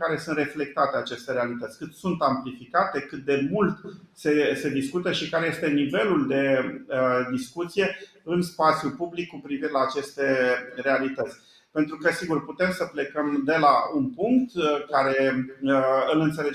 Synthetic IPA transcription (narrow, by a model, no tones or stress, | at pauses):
kaɾe̞sunt̪re̞fle̞k̚t̪at̪eat͡ʃe̞st̪e̞ɾealit̪ət̪sʲkɨt̪sunt̪amplifikat̪e̞kɨt̪̚d̪e̞mult̪se̞se̞d̪iskut̪əʃikaɾeje̞st̪e̞nive̞luld̪e̞əd̪iskut̪sije̞ | ɨnspat̪sjulpublikːupɾiviɾe̞laːt͡ʃe̞st̪e̞re̞alit̪ət̪sʲ | pe̞nt̪ɾukəsiɡurput̪e̞msəple̞kəmd̪e̞launpuŋk̚t̪kaɾe̞ | ɨlɨnt̪sele